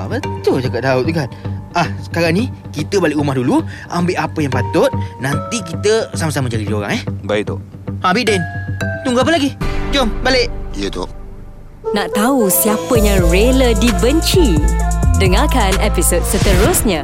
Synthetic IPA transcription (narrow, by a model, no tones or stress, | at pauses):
a̰bət̪ud͡ʒakaʔ̚daʊt̪̚ukanahsə̥kaɾaŋni | kit̪əbalɪʔumahdulu | ambɪʔapəjaŋpat̪ʊt̪̚nant̪ikit̪əsamasaməd͡ʒadiioɾa̰ŋɛhbaiʔt̪o̰ | abiʔ̚dant̪uŋɡaap̬əlaɡid͡ʒombaleʔijət̪o̰ | naʔt̪ausiapəjaŋɹelədibəɲt͡ʃi | dəŋakanɛpisot̚sət̪əɾʊsɲə